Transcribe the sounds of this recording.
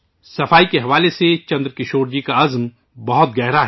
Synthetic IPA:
sɐfaːikeɦɐʋaːleset͡ʃɐ̃nd̪ɾkɪʃoːɾd͡ʒikaɐzm | bɐɦʊt̪̚ɡɛɦɾaɦɛ

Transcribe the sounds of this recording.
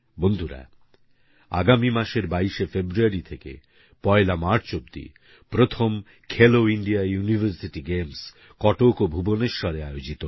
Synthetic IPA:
bond̪ʱuɾa̰ | a̰ɡamimaʃeɾbaiʃefebɾuaɾit̪ʰekḛ | pɔelamaɾʈt͡ɕobd̪ḭ | pɾot̪ʰom | kʰeloiɳɖiajunivʱəɾsiʈiɡems | kɔʈokobʱuboneɾʃɔɾeajod͡ʑit̪o

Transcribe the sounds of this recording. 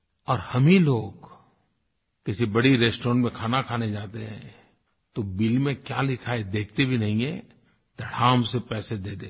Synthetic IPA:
ɔːɾhɐmiloːɡ | kɪsibɐɽiɾeːsʈɔːɾəɳmẽkʰaːnakʰaːned͡ʒaːt̪eɦɛ̰̃ | t̪obɪlmẽkjaːlɪkʰaːed̪eːk̚ʰt̪ebʱinɐɦĩɛ̃ | d̪̥ʱɐɽ̤aːmsepɛːsed̪eːt̪eː

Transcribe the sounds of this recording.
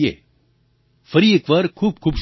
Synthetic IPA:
ḛː | fəɾieːkʋaːɾkʰuːb̚kʰuːbʃ

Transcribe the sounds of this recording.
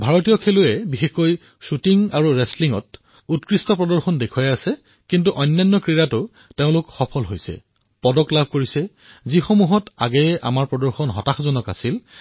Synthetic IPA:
bʱaɹɔtijɔkʰeluɛbixexoj | sutiŋaɹuɹɛsliŋɔ̰t̚ | utkɹistɔpɹɔdɔɹxɔndekʰujajasɛ | kintuʔɔjnːajnːɔkɹiɹatʊ | teʊ̃lʊkxɔpʰɔlɦojsɛ̰ | pɔdɔklabʱkoɹisɛ | zixomuɦɔta̰ɡɛʔa̰maɹpɹɔdɔɹxɔnɦɔtaxzɔnɔka̰sil

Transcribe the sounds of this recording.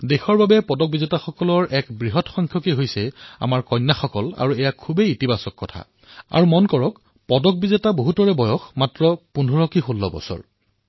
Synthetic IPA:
dexɔɹbabɛpɔdɔk̚bizetaxɔkɔlɔɹʔɛkbɹiɦɔtxɔŋkʰjɔkeɦojsɛa̰maɹkɔjnːaxɔkɔla̰ɹuɛjakʰubeitibasɔkːɔtʰa̰ | a̰ɹumɔnkɔɹɔk | pɔdɔk̚bizetaboɦutɔɹɛbɔjɔxmatɹɔpundʱɔɹɔkixolːɔ̰bɔ̰sɔ̰ɹ

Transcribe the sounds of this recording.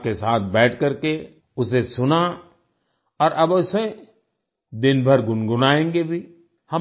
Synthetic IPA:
kesaːt̪ʰbɛːʈ̚ʰkɐɾke | ʊsesʊna | ɔːɾʔɐbʊse | d̪ɪnbʱɐɾɡʊnɡʊnaːẽːŋɡebʱiː | hɐ

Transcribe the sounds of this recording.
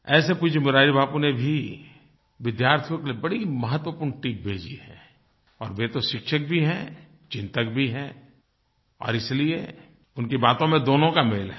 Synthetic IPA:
ɛːsepuːt͡ʃʰemʊɾaːɾibʱaːpunebʱi | ʋɪd̪jaːɾt̪ʰijõkeliebɐɽimɐɦət̪wəpuːɾɳʈiːp̚bʱeːd͡ʒiɦɛ̃ː | ɔːɾbeːt̪oʃɪkʃək̚bʱiɦɛ̃ | t͡ʃɪ̃nt̪əkbʱiɦɛ̃ | ɔ̰ːɾɪslie | ʊnkibaːt̪õmẽd̪oːnõkamelɦɛ

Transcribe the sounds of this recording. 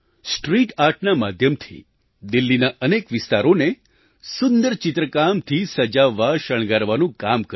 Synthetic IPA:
sʈɾiʈaɾʈʰnamad̪ʱjəmt̪ʰḭ | d̪ɪlːinaənekʋɪst̪aɾone | sʊnd̪əɾt͡ʃɪt̪ɾəkamt̪ʰisəd͡ʒaʋːaʃəɽ̃ɡaɾʋanũkamkə

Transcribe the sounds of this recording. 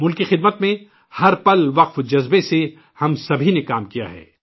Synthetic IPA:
mʊlkixɪd̪̚mət̪mẽ | hɐɾpɐlʋɐqfd͡ʒɐzbese | hɐmsɐbʱinekaːmkija̰ɦɛ̰ː

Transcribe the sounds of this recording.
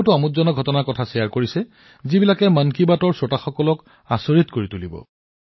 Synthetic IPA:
tʊamutzɔnaɡʱɔtɔnakɔtʰasɛjaɹkoɹisɛ | zibilakɛmankibatɔɹsɔtaxɔkɔlɔk | asɔɹitkoɹitulibɔ̰

